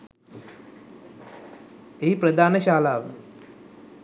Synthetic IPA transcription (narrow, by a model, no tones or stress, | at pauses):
eipɾɐd̪ʱaːnɐɕaːlaːʋ